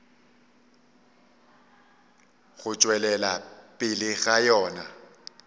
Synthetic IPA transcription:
ɣʊt͡ʃʼwɛlɛlapʼɪlɪɣajɔːna

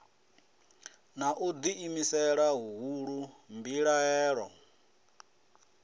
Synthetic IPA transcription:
naʔud̪iːmisɛɺaɦuɦuɺumbiɺaɦɛːɺɔ̰

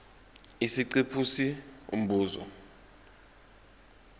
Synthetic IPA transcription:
isiǀipʰusiṵm̩bʱuːzɔ̰

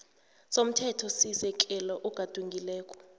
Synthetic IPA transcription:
som̩tʰɛtʰɔsisɛkʼɛlɔʔuɡ̥ʱad̥ʱuŋɡʱilɛːkʼɔ̥

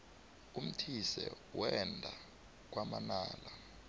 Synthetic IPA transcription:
um̩tʰisɛ̰ | wɛndʱa | k̬wamanaːla

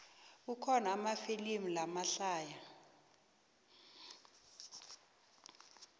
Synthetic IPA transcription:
ukʰɔnaːmafilimulamaɬaːja

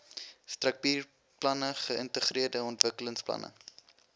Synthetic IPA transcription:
strɐk̚piːr | plɐnəχəəntəχriərdəɔntvəkələŋsplɐ̰nʔə̰

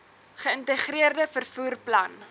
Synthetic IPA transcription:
χəəntəχriərdəfərfuːrplɐn

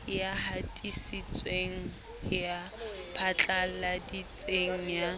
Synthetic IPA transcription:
jahatʼisit͡sʼweŋ̩ | japʰat͡ɬʼalladit͡sʼeŋ̩ja

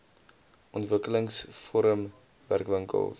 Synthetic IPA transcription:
ʔɔntvəkələŋsfoɾəm | væ̰rkvəŋkə̰lˠs

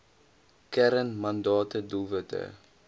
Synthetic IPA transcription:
kɛɾənmɐndɑːtəduvətə̰

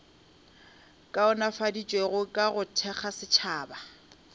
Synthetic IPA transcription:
kʼaʊnafadit͡ʃʼweɣʊkʼaɣʊtʰɛχasɪt͡ʃʰaːba

